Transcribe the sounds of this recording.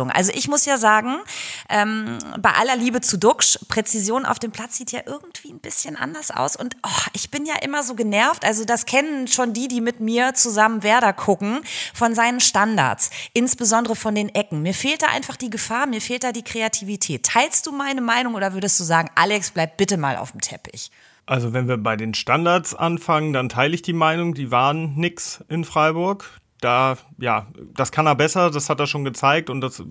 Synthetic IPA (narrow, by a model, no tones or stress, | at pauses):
ʊŋʔa̰lzoʔɪçmʊsjaːzaːɡŋ̩ʔɛːmbaɪʔa̰lɐliːbət͡sudʊkʃpʁ̥ɛt͡sizjoːnʔa̰ʊfd̥eːmpʰl̥at͡sz̥iːtʰja̰ːʔɪɐɡŋ̩tv̥iːn̩bɪsçənʔa̰ndɐsʔa̰ʊsʔʊntʔɔʔɪçb̥ɪnjaːʔɪmɐzoːɡənɛɐftʔalzodaskʰɛnənʃoːndiːdiːmɪtmiːɐt͡suzamənvɛːɐdɐkʰʊkŋ̩fɔnzaɪnənʃtanda̰ːɐtsʔɪnsb̥əzɔndəʁəfɔndeːnʔɛkŋ̩miːɐfeːlt̚d̥aːʔa̰ɪnfaχd̥iːɡəfaːɐmiːɐfeːlt̚d̥aːdiːkʁ̥eatʰiːvitʰɛːtʰːaɪlstd̥uːmaɪnəmaɪnʊŋʔoːdɐvʏɐdəstd̥uːzaːɡŋ̩ʔa̰lɛksb̥laɪp̚t̚b̥ɪtəma̰ːlʔa̰ʊfm̩tʰɛpɪ̰ç | ʔalzovɛnviːɐbaɪdeːnʃtandaɐtsʔanfaŋəndantʰaɪləɪçd̥iːmaɪnʊŋdiːvaːʁənːɪksʔɪnfʁ̥aɪbʊɐk | d̥aːjaːd̥askʰaneːɐbɛsɐdashateːɐʃoːnɡət͡saɪk̚tʊnt̚d̥as